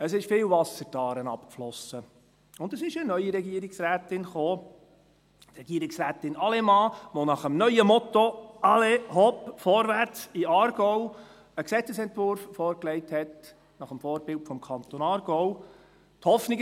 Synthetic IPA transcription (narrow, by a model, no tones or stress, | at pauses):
əsɪʃfɪːlvɑsəɾtɑːɾənɑ̰pkflɔsə | ʊnd̪əsɪʃənœʏəɾɛɡiːəɾɪksræːt̪ɪnχoː | t̪ɾɛɡ̥iəɾɪksɾæːt̪ɪnɑlɛmɑːʋonɑχəmnœʏəmɔt̪oɑleɦɔpfɔːɾvært͡siɑːɾɡ̥ɔʊ | əksɛt͡səsɛntvʊɾfːɔːɾkleɪthɛt | nɑχəmfɔːɾbɪltfɔmkʰɑnt̪onɑːɾɡɔʊ | t̪hɔfnɪɡ